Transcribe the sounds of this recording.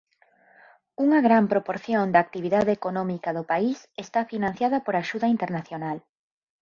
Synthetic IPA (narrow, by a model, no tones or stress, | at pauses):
uŋɐɣɾampɾopoɾθjond̪aːk̚t̪iβ̞iðaðeekonɔmikaðopaisest̪afinãn̟θjaðɐpoɾaʃuðɐint̪eɾnaθjonal